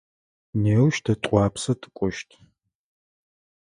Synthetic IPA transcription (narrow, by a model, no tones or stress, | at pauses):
neːwʃtʰɐtʼʷɑːpsɐtʼɨ̥kʷʼɔʃtʰ